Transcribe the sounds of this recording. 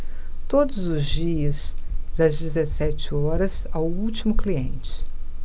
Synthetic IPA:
t̪od̪ʊzʊzd͡ʒiɐzd̪ɐzd͡ʒɪzesɛt͡ʃɪɔɾɐzawuwt͡ʃimʊkliẽnt͡ʃɪ̥

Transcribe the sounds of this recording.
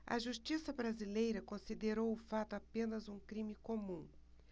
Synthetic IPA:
ɐ̰ʒuʃt͡ʃisɐbɾazilejɾɐkõsid̪eɾowʊfat̪ʊapẽnɐzũkɾĩmɪkomũ

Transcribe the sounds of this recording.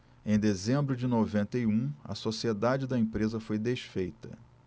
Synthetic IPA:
ẽj̃d̪ezẽmbɾʊd͡ʒɪnovẽnt̪ɐiũɐ̰sosied̪ad͡ʒɪd̪ɐẽpɾezɐfojd̪eʃfejt̪ɐ̰

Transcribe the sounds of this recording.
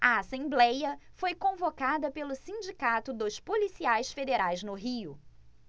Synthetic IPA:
ɐasẽblɛjɐfojkõvokad̪ɐpelʊsĩd͡ʒikat̪ʊd̪ʊspolisiajsfed̪eɾajznʊɦiʊ

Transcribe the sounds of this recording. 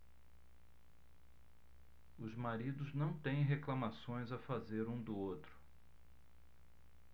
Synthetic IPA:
ʊzmaɾid̪ʊznɐ̃w̃t̪ẽj̃ɦeklɐmasõj̃zɐfazeɾũd̪ʊot̪ɾʊ̥

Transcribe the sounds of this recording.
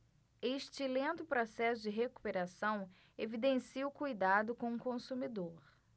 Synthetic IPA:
eʃt͡ʃɪlẽnt̪ʊpɾosɛsʊd͡ʒɪɦeku̥peɾasɐ̃w̃ | evid̪ẽsiʊkujd̪ad̪ʊkõũkõsumid̪oɾ

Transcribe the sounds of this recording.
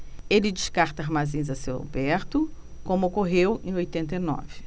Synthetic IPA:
elɪd͡ʒɪʃkaɾt̪ɐaɾmazĩzɐsewa̰bɛɾt̪ʊ | kõmʊokoɦewẽj̃ojt̪ẽnt̪ɐijnɔ̰vɪ

